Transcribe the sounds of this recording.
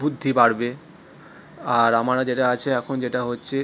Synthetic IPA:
bud̪ʱːipaɽbe | aɾamaɽad͡ʑeʈaat͡ɕʰeɛkʰond͡ʑeʈaɦotːɕʰe

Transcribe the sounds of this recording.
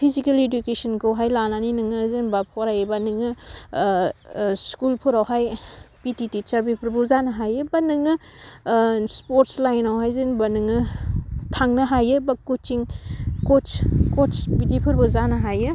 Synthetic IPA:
pʰizikaledukesɔnkowɦajlananinɯŋɯzenbapʰɔɾajebanɯŋɯ | skulpʰuɾawɦajpititit͡ʃaɾbipʰɯɾbuzanɐɦajɯbanɯŋɯ | spoɾtslajnawɦajzenbanɯŋɯtʰaŋnɐɦajɯbakut͡ʃiŋkoskopitipʰɯɾbuzanɐɦajɯ

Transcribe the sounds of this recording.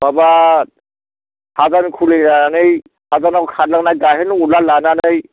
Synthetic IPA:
babat̚ | hazankʰulenaanɯj | hazanakɔkʰadlaɡnaɡaɦenulalananɯj

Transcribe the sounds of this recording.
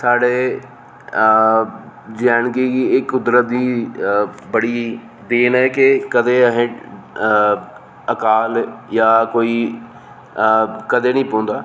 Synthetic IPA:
saːɽeː | d͡ʒɛːnkiːɪkːʊd̪ɾət̪̚d̪iː | bəɽiː | d̪eːnɦɛːkɪkəd̪eːəɦẽ | əkaːljaːkoːiː | kəd̪eːnĩːpõːnd̪aː

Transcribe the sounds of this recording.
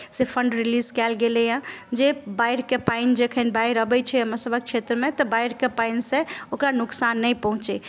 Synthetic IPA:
sepʰəɳɖɾilizkɛlɡelɛjãd͡ʒebaiɾkepaind͡ʒekʰənbaiɾəbɛt͡ʃʰɛɦəməɾsəbʱək̚t͡ʃʰet̪ɾəmet̪ɔbaiɾkepainsẽokɾanuksanːəjpəɦũt͡ʃɛ

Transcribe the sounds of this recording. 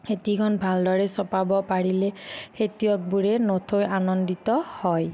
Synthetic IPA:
xetiɡʰɔnbʱaldɔɹɛsɔpabɔpaɹilɛxetijɔk̚buɹɛnotʰojanɔnditɔhɔj

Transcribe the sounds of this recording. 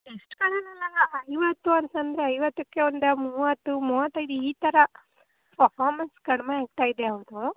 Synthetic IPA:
eʂʈkɐɽɐnilːaːɡɐːjʋɐt̪ːuɐnt̪ɐnd̪ɾeɐjʋɐt̪ːukːeond̪muːʋɐt̪ːumuːʋɐt̪ːɐjd̪iiːt̪ɐɾɐ | pɐfaːɾmɐnskɐɽɐmeeːk̚t̪aːjid̪eɐːʋɐd̪u

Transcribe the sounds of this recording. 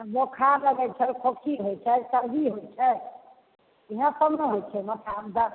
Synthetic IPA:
bokʰaləɡɛt͡ʃʰɛlkʰokʰiɦojt͡ʃʰɛsəɾɦiɦot͡ʃʰɛ | eɦə̃səbneɦojt͡ʃʰɛmət̪ʰamd̪ə

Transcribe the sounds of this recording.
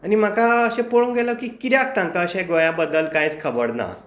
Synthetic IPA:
anim̤akaəɕẽpoɭuŋɡʱeləkiːkit̪jak̚t̪ãŋkaəɕẽɡojãbəd̪əlkajt͡skʰəbəɽna̰

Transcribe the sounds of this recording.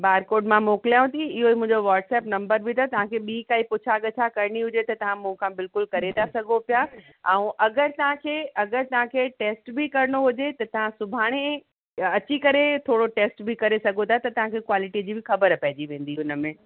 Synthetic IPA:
baːɾkoːɾɖmãmoːkɪljaũt̪ʰiɪɦoimʊ̃ɪ̃ɲd͡ʑoʋaːʈsɛːpnɐ̃mbəɾbʱɪt̪ʰat̪ɐʋ̤ãkʰeːɓiːkaːipʊt͡ɕʰaɠɐt͡ɕʰakɐɾɽ̃iɦʊd͡ʑet̪ɐt̪ɐʋ̤ãmũɪ̃kʰãbɪlkʊlkɐɾet̪asɐɡʱopja | ɛ̃ũʔɐɡəɾt̪ɐʋ̤ãkʰeːɐɡəɾt̪ɐʋ̤ãkʰeːʈeːsʈbɪkɐɾɪɽ̃oɦʊd͡ʑet̪ɐt̪ɐʋ̤ãsʊbʱaːɽ̃e | ɐt͡ɕikɐɾet̪ʰoːɽoʈeːsʈbɪkɐɾesɐɡʱot̪ʰat̪ɐt̪ɐʋ̤ãkʰekwaːlɪʈid͡ʑiːbɪxɐbəɾpɐɦɪd͡ʑiʋẽːn̆d̪iʊnə̆mẽː

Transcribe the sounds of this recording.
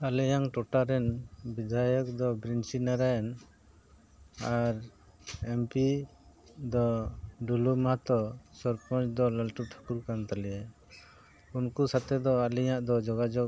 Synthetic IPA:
alɛjaŋʈɔʈaɾɛnbid̪ʱajɔk̚d̪ɔbɾinsinaɾajn | aɾ | ɛmpi | d̪ɔɖulumat̪ɔsɔɾpɔnt͡ʃd̪ɔləlʈuʈʰḁkuɾkant̪alɛɛ | unkusat̪ʰɛd̪ɔalɛɲaʔd̪ɔd͡ʒɔɡad͡ʒɔk̚

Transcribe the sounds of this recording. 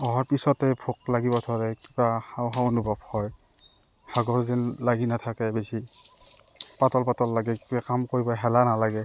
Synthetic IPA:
ɔɦɔɹpisɔtɛbʰʱuk̚laɡibɔtʰɔɹɛkibahawɦaonubʱabhɔj | haɡɔɹzɛnlaɡinatʰakɛbesi | patɔlpatɔlːaɡɛkibakamkoɹibɔɦɛlanalaɡɛ

